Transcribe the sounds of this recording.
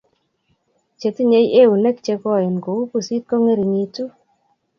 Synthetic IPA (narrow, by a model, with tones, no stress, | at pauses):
t͡ʃe˨˧ti˦ɲe˨˦je˦wu˨nɛ˦k̚t͡ʃe˧kɔ˦˨i˨nko˨u˦pu˨si˦t̪̚ko˦ŋe˦ɾi˨ɲi˧tu˦